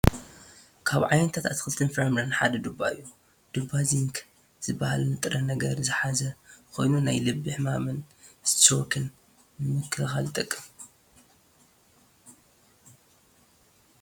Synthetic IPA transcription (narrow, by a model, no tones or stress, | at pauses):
kʰaβʕajnt̪ʰat̪ʰat̪xɨlt̪ʰɨnfɾamɾanħad̪ɐd̪ubːa̰ɨjːu | d̪̥ɨbːaziŋk | z̥ɨbːahalnɨt̪ʼɾɐnɐɡɐɾzɨħazɐkʰo̞̰jnunajlɨbːiħɨmamɨnzɨt̪ʰt̪ʰɐwɔkʰːɨl | nɨmɨkʰːɨlɨxalt̪ʼɐkʼːɨm